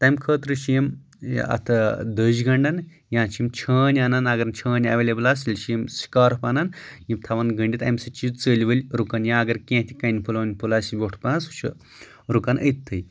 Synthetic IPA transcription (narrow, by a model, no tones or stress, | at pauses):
t̪ajmkʰəːt̪ɾɨʃijim̰ | ɐ̰t̪ʰɐd̪əd͡ʒɡɐɳɖɐn | jãːt͡ʃʰimt͡ʃʰəːnʲanɐnaɡɐɾnt͡ʃʰəːnʲɐ̰ʋeːlʲeblasilʲʃijimsi̥kaːɾpanɐn | jimt̪ʰaʋɐnɡɐɳɖʲit̪a̰jmsɐt͡ʃit͡səːlʲiʋəlʲɾukɐnjãːɡɐɾkʲẽt̪ʲʰi̥kɐjnʲpʰulʋɐnʲpulasiʋʲoʈʰpnasu̥t͡ʃʰɐ̰ | ɾukɐnəjt̪ʰːəj